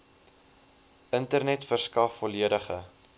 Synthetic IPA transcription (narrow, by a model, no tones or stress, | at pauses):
əntərnɛtfərskɐfːɔliədəχə